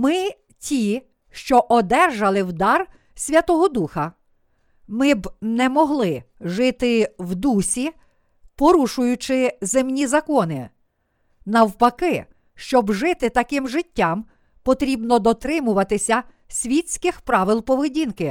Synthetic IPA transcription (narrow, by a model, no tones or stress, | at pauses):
mɪ | tʲi | ʃt͡ʃɔʔɔd̪ɛrʒɐlˠɪwd̪ɑr | sʲʋʲɐt̪ɔɦɔd̪uxɐ | mɪbnɛmɔɦlˠɪʒɪt̪ɪwd̪usʲi | pɔɾuʃʊjʊt͡ʃɪzemnʲizɐkɔnɪ | nɐwpɐkɪ | ʃt͡ʃɔbʒɪt̪ɪt̪ɐkɪmʒɪtʲːɑm | pɔt̪ɾʲibnɔd̪ɔt̪ɾɪmʊʋɐt̪ɪsʲɐ | sʲʋʲisʲkɪxpɾɑʋɪlˠpɔʋɪdʲinkɪ